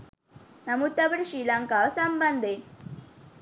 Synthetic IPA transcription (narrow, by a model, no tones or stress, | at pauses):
nɐmut̪ːɐbɐɾiʃiːlɐŋkaʋɐsɐmbɐnd̪ʱe